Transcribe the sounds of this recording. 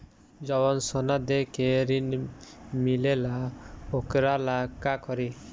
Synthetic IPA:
d͡ʒɔbɔnsɔnad̪ekeɾinmilelaokɾalakakɔɾi

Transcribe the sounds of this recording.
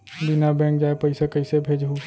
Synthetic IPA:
bɪnabɛ̃ːŋk̚d͡ʒaːepəɪsekəɪsebʱeːd͡ʒɦu

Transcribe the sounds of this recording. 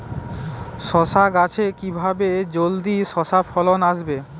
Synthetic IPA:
ʃɔʃaɡat͡ɕʰekibʱabed͡ʑold̪iʃɔʃafʰɔlonaʃbe

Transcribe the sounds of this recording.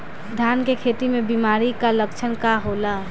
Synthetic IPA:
d̪ʱjankekʰet̪imebimaɾikaləkt͡ʃʰənkaɦola

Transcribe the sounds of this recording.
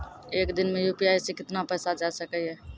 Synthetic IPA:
eːkd̪ɪnmẽjuːpijaːisekɪt̪napɛːsad͡ʒasəkəɦɛː

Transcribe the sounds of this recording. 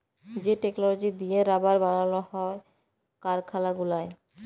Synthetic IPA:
d͡ʑeʈeknolod͡ʑid̪ieɾabaɾbaɽalohɔe | kaɾkʰalaɡulae

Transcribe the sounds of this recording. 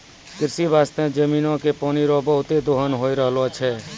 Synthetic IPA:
kɪɾsibaːst̪ẽd͡ʒəmiːnõkepɔːniɾobəɦʊt̪ed̪oɦənɦoːiɾəɦlot͡ʃʰɛː

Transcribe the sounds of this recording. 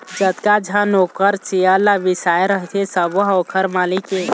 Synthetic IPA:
d͡ʒət̪kad͡ʒʱanokəɾt͡ʃialaʋɪsaːjeɾəɦt̪ʰesəboɦawkʰəɾmaːlike

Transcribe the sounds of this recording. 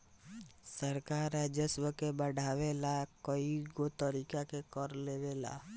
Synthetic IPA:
səɾkaːɾɛd͡ʒəswəkebəɽʱaːwelakəiɡot̪əɾiːkakekəɾlewela̰

